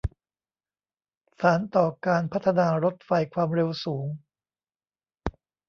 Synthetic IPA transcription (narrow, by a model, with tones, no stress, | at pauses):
saː˩˦nt̪ɔː˨˩kaː˧npʰa˦˥t̪ʰːa˧naː˧ɾo˦˥t̪̚fa˧jkʰwaː˧mɾe˧wsuː˩˦ŋ